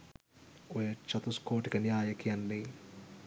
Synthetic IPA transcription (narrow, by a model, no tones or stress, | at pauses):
ujɐt͡ʃːɐt̪uskoːʈikɐnjaːjɐkijɐnːi